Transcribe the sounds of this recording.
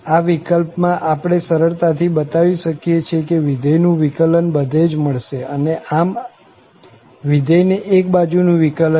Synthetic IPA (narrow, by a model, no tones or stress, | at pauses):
aʋikəlpmãʔapɽ̃esəɾəɭt̪at̪ʰibət̪aʋiʃəkijet͡ʃʰekeʋid̪ʱəjnũʋikələnbəd̪ʱed͡ʒməɭʃeəneʔam | ʋid̪ʱəjneʔek̚bad͡ʒunũʋikələ